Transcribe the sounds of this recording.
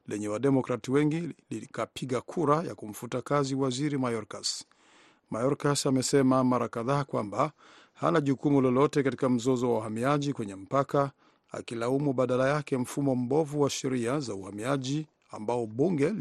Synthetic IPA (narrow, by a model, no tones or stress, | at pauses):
lɛɲɛwaɗɛmɔkɾatiwɛŋɡilikapʰiɠakʰuɾaja̰kum̩futakaziwaziɾimajɔɾkas | majɔɾkasamɛsɛmamaɾakaðaːkwamba | ha̰naʄukumulɔlɔtɛkatikam̩zɔzɔwawahamiaʄikwɛɲɛm̩paka | a̰kilaumuɓaɗalajakɛm̩fumɔm̩bɔvuwaʃɛɾiazauhamiaʄi | a̰mbaɔɓuŋɡɛl